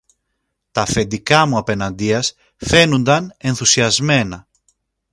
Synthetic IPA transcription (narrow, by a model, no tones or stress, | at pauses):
t̪ɐfe̞nd̪ikɐmuɐpe̞nɐnd̪iɐs | fe̞nund̪ɐne̞nθusiɐzme̞nɐ